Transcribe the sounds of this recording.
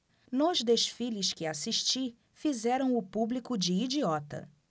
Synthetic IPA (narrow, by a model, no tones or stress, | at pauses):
nʊzd̪eʃfilɪskɪasiʃt͡ʃi | fizɛɾɐ̃w̃ʊpublikʊd͡ʒɪːd͡ʒiɔt̪ɐ̰